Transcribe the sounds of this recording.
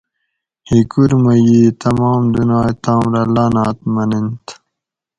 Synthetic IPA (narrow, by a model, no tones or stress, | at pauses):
hikuɾmɐjiːt̪ɐmɑːmd̪unaːjt̪aːmɾɐlaːnɑːt̪mɐnint̪